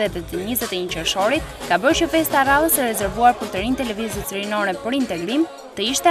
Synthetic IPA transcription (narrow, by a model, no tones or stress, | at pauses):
ɛt̪ɛt̪əɲəzɛt̪ɛɲət͡ɕəɾʃɔɾit̪kabəɾt͡ʃəfɛst̪araðˠəsɛɾɛzɛɾvuaɾpəɾt̪əɾint̪ɛlɛvizət͡sɾinɔɾɛpəɾint̪ɛɡɾim | t̪əiʃt̪ɛ